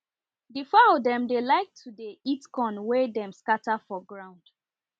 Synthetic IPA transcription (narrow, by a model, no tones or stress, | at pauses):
difalodɛ̃mdelaɪk̚tʰudeitkɔ̃nwɛdɛ̃mskatafɔɡɹãʊ̃nd̥